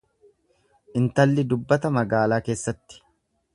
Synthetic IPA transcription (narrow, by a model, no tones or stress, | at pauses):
ʔɪnt̪ɐlːɪd̪ʊbːɐt̪ɐmɐɡaːlaːke̞ːsːɐt̪ːɪ̥